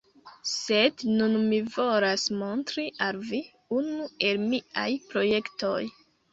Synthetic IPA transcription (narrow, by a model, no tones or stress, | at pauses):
se̞dnunmivo̞lasmontɾiʔalvi | unue̞lmia̰jpɾo̞je̞kto̞j